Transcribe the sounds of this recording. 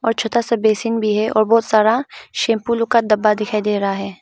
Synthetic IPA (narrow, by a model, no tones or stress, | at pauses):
ɔːɾt͡ʃʰot̪asɐbeːsɪnbʱiɦɛʔɔ̰ːɾbɔːt̪saːɾaʃẽːmpuːlõkad̪ɐbːad̪ɪkʰaːid̪eːɾɐɦaɦɛː